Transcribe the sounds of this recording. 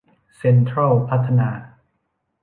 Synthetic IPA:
se˧nt̪ʰɾa˥˩lpʰa˦˥t̪ʰːa˧naː˧

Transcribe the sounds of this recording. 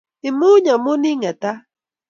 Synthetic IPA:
ɪ˨mu˦ɲa˨mʊ˦ni˦ŋa˨t̪a˦

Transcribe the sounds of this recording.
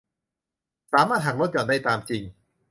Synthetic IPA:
saː˨˦maː˥˩t̪̚hɦa˨˩k̚lo˥t̪̚t͡ɕɔː˨˩ndaː˥˩jt̪aː˧mt͡ɕi˧ŋ

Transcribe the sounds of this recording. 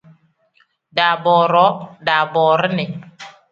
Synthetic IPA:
da˨bɔː˨ɾɔ˨˦da˨bɔː˨ɾə˦nɛ˨

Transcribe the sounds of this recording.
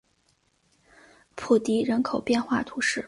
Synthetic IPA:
pʰu˨˩t̪i˧˥ɻə˧˥nkʰo˨˩ʊpjɛ˥˧nxwa˥˩t̪ʰu˧˥ʂɻ̩˥˩

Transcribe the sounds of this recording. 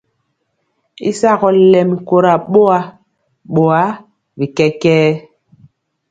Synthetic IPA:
ḭ˦sa˦˨kɔ˦lɛ˨mi˨ko˨ɾa˨ɓo˦a˦ | ɓo˨a˨˦ | bi˨kɛ˦kɛː˦

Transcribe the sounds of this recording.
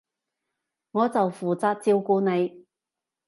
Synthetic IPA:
ŋɔː˨˧t͡sɐ˨wfuː˨˩t͡saː˧t̚t͡siː˧wkuː˧ne˨˧j

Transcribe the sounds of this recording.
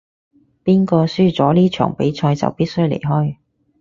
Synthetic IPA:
piː˥nkɔː˧syː˥t͡sɔː˨˥liː˥t͡ʃʰœ̰ː˨˩ŋpe˨˥jt͡sʰɔː˧jt͡sɐ̰˨wpiː˥t̚sɵ˥ɥlḛ˨˩jɦɔː˥j

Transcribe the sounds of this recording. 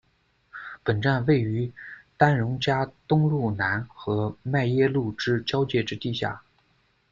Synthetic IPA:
pə˨˩nʈ͡ʂa˥˧nwe˥˩ɪy˧˥t̪a˥nɻʊ˧˥ŋt͡ɕja˥t̪ʊ˥ŋɻu˥˩na˧˥nxɤ˧˥ma˥˩ɪjɛ˥lu˥˩ʈ͡ʂɻ̩˥t͡ɕjɑ˥ʊt͡ɕjɛ˥˩ʈ͡ʂɻ̩˥t̪i˥˧ɕja̰˥˩

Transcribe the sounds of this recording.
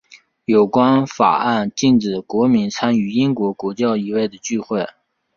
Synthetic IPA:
jo˨˩ʊkwa˥nfa̰˨˩a˥˧nt͡ɕi˥˩nʈ͡ʂɻ̩˨˩kwɔ˧˥mi˧˥nt͡sʰa˥ny˧˥i˥ŋkwɔ˧˥kwɔ˧˥t͡ɕjɑ˥˩ʊi˧˨˩we˥˩ɪd̪ə˩t͡ɕy˥˧xwe˥˩ɪ

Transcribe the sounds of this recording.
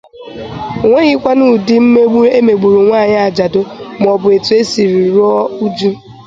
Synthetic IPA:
ŋʷe˦ɣi˦kʷa˦nu˦dɪ˦m̩˦m˦e˦me˨ɡ͡bu˨ɾu˨ŋʷaː˦˨ɲɪ˦a˨d͡ʒa˨do˦m˨ɔ˨bʊ˨e˨tu˨e˦si˨ɾi˨ɾɔ˦u˦d͡ʒu˦

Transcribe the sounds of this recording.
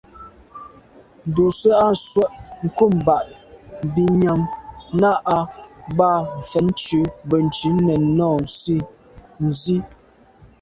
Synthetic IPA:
n̩˨du˨sə˦a˦swɛ˦˨ʔŋ̩˨ku˦˨m˨ba˨ʔbi˦ɲa˦mna˦ʔa˦ba˦˨m̩˨fɛ˨n˦t͡ʃʉ˨˦bə˨n̩˨t͡ʃʉ˨˦nɛ˨nɔː˦˨n̩˨si˦ | n̩˨zi˦

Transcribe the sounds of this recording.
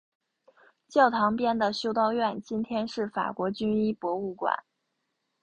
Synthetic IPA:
t͡ɕjɑ˥˩ʊt̪ʰɑ˧˥ŋpjɛ˥nd̪ə˨ɕjo˥ʊt̪ɑ˥˧ʊɥɛ˥˩nt͡ɕi˥nt̪ʰjɛ˥nʂɻ̩˥˩fa̰˨˩kwɔ˧˥t͡ɕy˥ni˥pwɔ˧˥u˥˩kwa̰˨˩˦n

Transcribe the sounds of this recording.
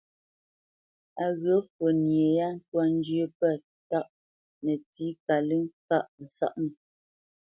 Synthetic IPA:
a˨ɣə˨˦fwə˨nje˨ja˦n̩˦twa˦n̩˦d͡ʒə˦pɛ˦˨ | ta˦˨ʔ | nə˨ti˨˦ka˨lɨ˦ŋka˦ʔn̩˨sa̰˦ʔmə˨

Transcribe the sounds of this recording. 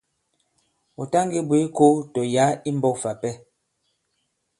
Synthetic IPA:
u˨ta˦ŋɡi˦bwi˨˦ko˦tɔ˨ja˨˦i˦m˦bɔ˦˨fa˨pɛ˦

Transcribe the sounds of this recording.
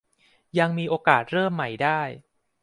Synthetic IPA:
ja˧ŋmiː˧ʔoː˧kaː˨˩t̪̚ɾɤː˥˩mːa˨˩jdaː˥˩j

